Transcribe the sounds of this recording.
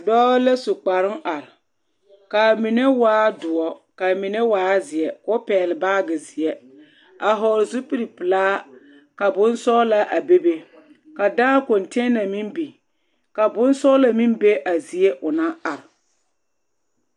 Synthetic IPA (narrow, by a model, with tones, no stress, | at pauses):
a˨dɔː˦ɣle˦su˨k͡pa˨ɾɪ˦ŋʔa˨ɾɪ˨ | ka˨mi˨ne˦waː˦dʊ˨ɔ˦ka˨mi˨ne˦waː˦zɪ˨ɛ˨kʊ˦pɛː˨lɪ˨baː˦ɡɪ˨zɪ˨ɛ˦ | a˨ɦɔ˨ɾzu˦pi˦ɾi˨pɨ˨laː˦ | ka˨bʊ˦n˦sɔː˦la˦ʔa˨be˦be˦ | ka˨daː˦ko˨nte˦na˨mi˦mbi˨ | ka˨bʊ˦n˦sɔ˦la˨mi˦mbe˦ʔa˨zi˨e˦ʔʊ˨na˦a˨ɾɪ˨